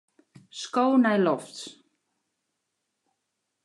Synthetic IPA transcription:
skownɛjlɔft

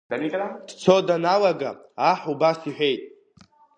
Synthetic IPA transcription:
d̥anikʼd̥t͡sʰo̞danalaɡa̰ | aħubasiħʷᶣe̞jtʼ

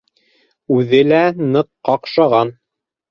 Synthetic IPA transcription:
ʉðɘlænɤqːɑqʃɑʁɑn

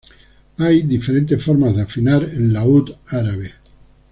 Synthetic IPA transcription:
ajd̪ifeɾe̞nt̪̬esfo̞ɾmazðeafinaɾenlaut̪aɾaβe

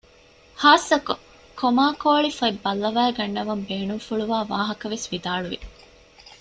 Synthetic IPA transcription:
haːsɐku | komaːkoːɭifɐibːɐlːɐʋæːɡɐɳːɐʋɐmbeːnumfuɭuʋaːʋaːɦɐkɐʋesʋid̪aːɭuʋḭ

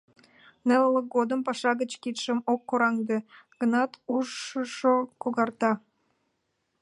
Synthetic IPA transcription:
nelləkɡod̪əmpɑʃɑɣət͡ɕkit̪ʃə̆mokːoɾɑŋd̪eɡ̥ənɑt̪uʒəʃokoɣɑrt̪ɑ

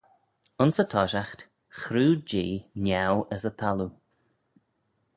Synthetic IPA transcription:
ʊnsət̪ʰɔʃaxt̪ | xɾuːd͡ʒiːnjawəsət̪ʰalu

